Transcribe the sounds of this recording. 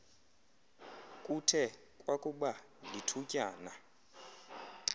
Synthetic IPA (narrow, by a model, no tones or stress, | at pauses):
kʼutʰɛ | kʼwakʼuɓa | litʰucʼaːna